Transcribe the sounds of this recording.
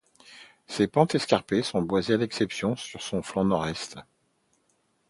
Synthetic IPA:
sepɑ̃t̪ɛskaʁpesɔ̃bwazealɛksɛpsjɔ̃syʁsɔ̃flɑ̃nɔʁɛst̪

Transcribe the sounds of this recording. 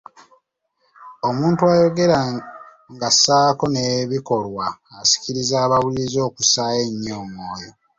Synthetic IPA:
o̞muːntuajo̞ɡe̞ɾa | ŋɡasaːko̞ne̞βiko̞lwaːsi̥ciɾizaːβawulizo̞ːkusaːje̞ɲːoːŋoːjo

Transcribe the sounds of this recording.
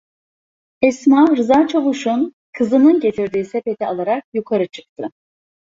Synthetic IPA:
ɛsmaɾɯzaːt͡ʃʰavuʃun | kʰɯzɯnɯnɟe̞t̪ʰiɾd̪iːsepe̞t̪ʰialˠaɾak̚jukʰaɾɯt͡ʃʰɯ̥k̚t̪ʰɯ

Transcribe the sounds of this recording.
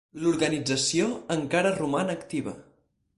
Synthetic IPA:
luɾɣənid͡zəsioəŋkaɾərumanəːkt̪iβ̞ə̰

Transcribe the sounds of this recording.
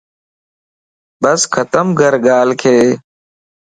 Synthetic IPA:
bəskʰət̪əmɡʱəɾɡaːlkʰeː

